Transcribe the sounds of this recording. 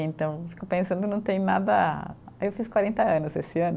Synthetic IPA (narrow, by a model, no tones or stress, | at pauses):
ẽnt̪ɐ̃w̃fi̥kopẽsɐ̃nd̪ʊnɐ̃w̃t̪ẽj̃nad̪ɐ | aewfiskwaɾẽnt̪ɐɐ̃nʊzesɪɐ̃nʊ